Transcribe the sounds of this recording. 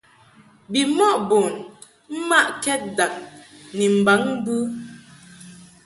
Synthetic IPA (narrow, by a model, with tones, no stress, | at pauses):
bi˨mɔ˦˨ʔbo˨n | m̩˦ma˦˨ʔkɛ˦t̚da˨ŋ̚ni˨m̩˨ba˨˦ŋ˦bʉ˦